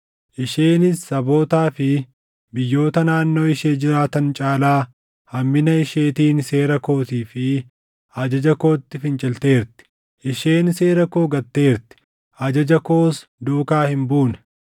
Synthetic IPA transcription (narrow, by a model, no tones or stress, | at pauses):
ʔɪʃeːnɪsːɐbo̞ːt̪aːfɪ | bɪjːo̞ːt̪ɐnaːnːo̞ːɪʃe̞ːd͡ʒɪɾaːt̪ɐnt͡ʃʼaːlaː | hɐmːɪnɐɪʃeːt̪iːnse̞ːɾɐko̞ːsiːfɪ | ɐd͡ʒɐd͡ʒɐko̞ːt̪ːɪfɪnt͡ʃʼɪlt̪e̞ːɾt̪ɪ̥ | ʔɪʃe̞ːnse̞ːɾɐko̞ːɡɐt̪ːe̞ːɾt̪ɪ̥ | ʔɐd͡ʒɐd͡ʒɐko̞ːsd̪uːkaːhɪmbuːnɐ̥